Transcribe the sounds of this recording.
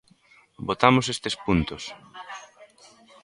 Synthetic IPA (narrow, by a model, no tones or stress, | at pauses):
bot̪amosest̪espunt̪os